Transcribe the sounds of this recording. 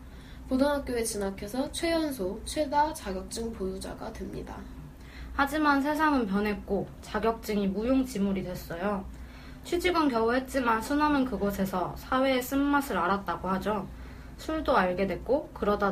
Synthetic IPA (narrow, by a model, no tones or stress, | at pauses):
podʌnɦak͈̚joet͡ɕinakʰjesʰʌt͡ɕʰwe̞jʌnsʰot͡ɕʰwe̞dat͡ɕaɡjʌk̚t͡ɕ͈ɯŋpojud͡ʑa̰ɡa̰dwemɲida̰ | had͡ʑimans̬ʰe̞s̬ʰaŋɯnpjʌnɦe̞k̚k͈o | t͡ɕaɡjʌk̚t͡ɕ͈ɯŋimujoŋt͡ɕimuɾidwe̞s͈ʌjo | t͡ɕʰwid͡ʑiɡɯnkjʌwuɦe̞t̚t͡ɕ͈imansʰunamɯnkɯɡʌsʰe̞sʰʌsʰawe̞ːs͈ɯmːasʰɯɾaɾat̚t͈aɡohad͡ʑo | sʰuɭdoaɭɡe̞dwe̞k͈okɯɾʌda